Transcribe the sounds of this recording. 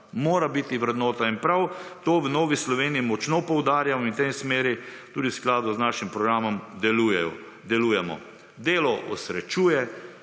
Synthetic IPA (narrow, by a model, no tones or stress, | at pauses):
moːɾabit̪iʋɾɛd̪nɔːt̪ainpɾawt̪oːʋənoːʋislɔʋeːniimɔt͡ʃnɔpɔwd̪aːɾjamɔint̪emsmeːɾit̪uːd̪iwsklaːd̪uznaʃimpɾɔɡɾaːmɔmd̪ɛlujɛɔ | d̪ɛluːjɛmɔ̰ | d̪eːlɔʔɔsɾɛt͡ʃuːjɛ